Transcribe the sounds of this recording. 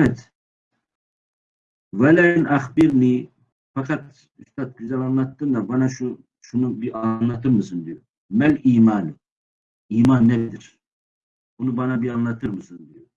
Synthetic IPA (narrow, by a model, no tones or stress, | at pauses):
ɛt̪ʰ | vælajnɑχbiɾni | fɑqʰɑt̪ | yʃt̪ʰɑt̪̚ɡyzɛlɑnlˠɑt̪ːɯnd̪abɑnɑʃu | ʃunubiɑnlˠɑt̪ʰɯɾmɯsɯnd̪iju | mæliːmɑːn | iːmɑnːɛd̪iɾ | bunubɑnɑbiɑnlˠɑt̪ʰɯɾmɯsɯnd̪iju